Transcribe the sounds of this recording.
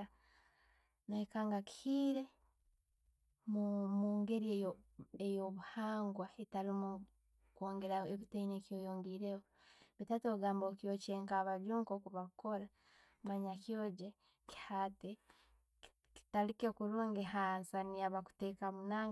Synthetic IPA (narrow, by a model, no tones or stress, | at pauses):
noikaːŋɡaki̥hiːɾe̞ | mumuːŋɡe̞ɾiejoβuhaːŋɡwaetalimu | koːŋɡe̞ɾaeβitainekjo̞joːŋɡiːɾeβoβitatoɡaːmbokjoːt͡ʃeːŋkaːβaɟuːŋkokuβako̞ɾa | maɲakjoːɟe | ki̥hate | ki̥talikekuɾuːŋɡehaːnsaniaβaku̥teːkamunaːŋ